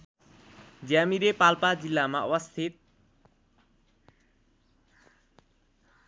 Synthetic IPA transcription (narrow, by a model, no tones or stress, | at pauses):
d͡zjamiɾepalpad͡zilːamaʌwʌst̪ʰit̪̚